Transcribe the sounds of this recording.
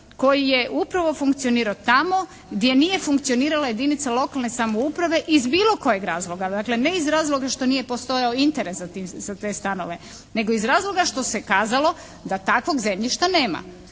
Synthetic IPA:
ko̞jijeʔupɾaʋo̞fuŋkt̪sio̞niːɾaot̪amo̞ | ɡd̪je̞nije̞fuŋkt̪sio̞niːɾalaje̞d̪init̪salo̞kalˠne̞samoupɾaʋe̞ʔizbiːlo̞ko̞jeɡɾaːzlˠo̞ɡad̪akle̞ne̞izɾaːzlˠo̞ɡaʃt̪o̞nije̞po̞st̪o̞jaoint̪eɾeszat̪imz̥at̪e̞ːst̪ano̰ʋe̞ | ne̞ɡo̞izɾaːzlˠo̞ɡaʃt̪o̞se̞kaːzalˠo̞ | d̪at̪akʋo̞ɡzemʎiʃt̪aneːma̰

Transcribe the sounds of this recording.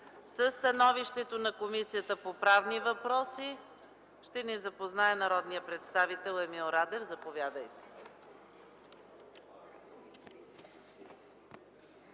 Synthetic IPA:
səst̪ɐnɔviʃt̪ɛt̪onɐkomisijət̪əpopɾavnivɐpɾɔsi | ʃt̪ɛnizɐpoznaɛnɐɾɔd̪nijəpɾɛt̪st̪avit̪ɛlˠɛmilˠoɾad̪ɛvzɐpovʲjad̪əjt̪ɛ̥

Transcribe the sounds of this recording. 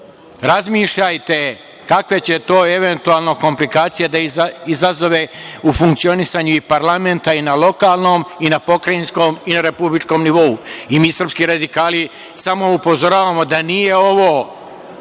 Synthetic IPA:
ɾazmiːʃʎajt̪e̞ | kakʋe̞t͡ɕe̞t̪o̞ːe̞ʋe̞nt̪uaːlˠnoko̞mplikaːt̪sijed̪aiizazo̞ʋeufuŋkt̪sio̞nisaɲuipaɾlame̞nt̪ainalo̞kaːlˠno̞ːminapo̞kɾainsko̞ːminaɾe̞publit͡ʃko̞ːmniʋo̞uimiːsr̩pskiɾad̪ikaːli | samo̞upo̞zo̞ɾaːʋamo̞d̪anije̞o̞ʋoː

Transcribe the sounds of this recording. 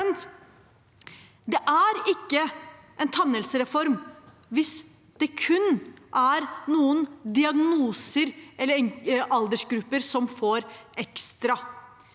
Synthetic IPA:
nt̪ | d̪ɛʔæɾɪkːə | ʔɛnt̪ʰɑnːəlsəɾɛfɔɾm | ʋɪs | d̪̥ɛkʰʉnʔæɾnuːənd̪ɪɑɡnuːsəɾʔɛlːəɾɛŋʔɑld̪əʂɡɾʉpːəɾsɔmfoːɾʔɛkst̪ɾɑ

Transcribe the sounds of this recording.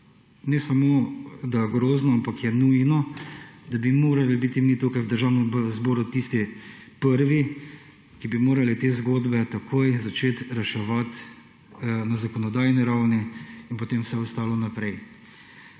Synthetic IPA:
nɛsamoːd̪aɡɾoːznɔampakjɛnujnɔd̪abimoːɾalibit̪imit̪oːkajwd̪əɾʒaːwnɛmzboːɾut̪iːst̪i | pəɾʋi | kibimoːɾalit̪eːzɡoːd̪bɛt̪akʰoːjzat͡ʃeːt̪ɾɛʃɛʋat̪ | nazakɔnɔd̪aːjniɾawniinpot̪emwsɛɔst̪aːlɔnapɾɛj

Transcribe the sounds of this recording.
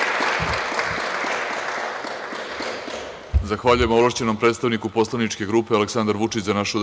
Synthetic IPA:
zaxʋaʎuje̞moolaʃt͡ɕe̞no̞mpɾet̪st̪aʋnikupo̞slˠaʋnit͡ʃke̞ɡɾuːpe̞aleksand̪aɾʋut͡ʂit͡ɕzanaʃud̪

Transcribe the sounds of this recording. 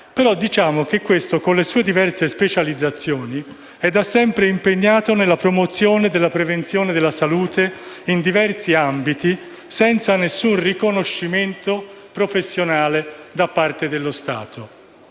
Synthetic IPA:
peɾɔd̪it͡ʃaːmok̟ekːwest̪okonlesuːed̪ivɛrsespet͡ʃalid̪zːat̪sːjɔːni | ɛd̪asːɛmpɾeimpeɲːaːt̪onelːapɾomot̪sjoːned̪elːapɾevent̪sjoːned̪elːasaluːt̪e | ind̪ivɛrsiambit̪i | sɛnt̪sanesːunrikonoʃːiment̪o | pɾofesːjonaːled̪apːart̪ed̪elːost̪a̰ːt̪ʰo

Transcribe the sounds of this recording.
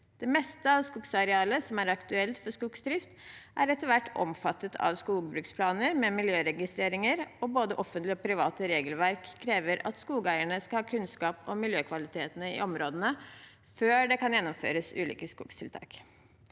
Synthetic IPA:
d̪̥ɛmɛst̪əɑʋskuksɑɾɛɑːləsɔmæɾɑkt̪ʉɛlt̪fɔʂkuksd̪ɾɪft̪ʔæɾɛt̪ːəɾʋæʈːɔ̰mfɑt̪ːət̪ʰɑ̰ʋskuːɡbɾʉːkspʰlɑːnəɾmɛmɪljøːɾɛɡɪst̪ɾeːɾɪŋəɾɔboːd̪əʔɔfːənt̪lɪɔpʰɾɪʋɑ̰ːt̪əɾeːɡəlʋæɾkʰːɾeːʋəɾɑ̰t̪skuːɡəæɪəɳəskɑlhɑːkʰʉnskɑːpɔmɪljøːkʰʋɑlɪt̪ʰeːt̪ənəɪ̰ʔɔmɾoːd̪ənə | føːɖɛkɑnjɛnːɔmfø̰ːɾəsʉ̰ːlḭːkəskṵːkst̪ʰɪlt̪ʰɑ̰ːk

